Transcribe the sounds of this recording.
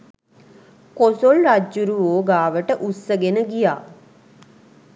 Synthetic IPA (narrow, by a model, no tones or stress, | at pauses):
kosolɾaːuɾuʋoːɡaːʋəʈəʔussəɡenəɡija̰ː